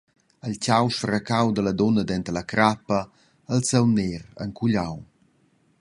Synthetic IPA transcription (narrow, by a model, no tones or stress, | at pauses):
əlcawʃfɾakawd̪ələd̪ɔnəd̪ɛnt̪əlakɾapə | əlsɛwneɾə̰ŋkuʎaw